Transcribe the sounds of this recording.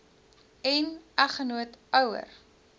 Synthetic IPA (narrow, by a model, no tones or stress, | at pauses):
ɛnɐχənuətœwə̰r